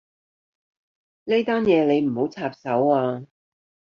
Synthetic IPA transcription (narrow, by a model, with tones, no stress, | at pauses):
ne˥jt̪aː˥njɛː˨˧le˨˧jm̩˨˩ho˨˥wt͡sʰaː˧p̚sɐ˨˥waː˧